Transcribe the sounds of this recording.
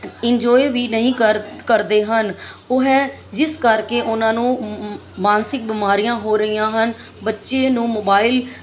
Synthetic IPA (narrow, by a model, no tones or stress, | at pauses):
ɪnd͡ʒɔːeʋiːnəɦĩːəkəɾd̪eːɦənʊɦɛː | d͡ʒɪskəɾkeːʔʊnãːnũː | maːnsɪk̚bɪmaːɾijãːɦoːɾəɦijãːɦən | bətːʃeːnũːmoːbaːɪl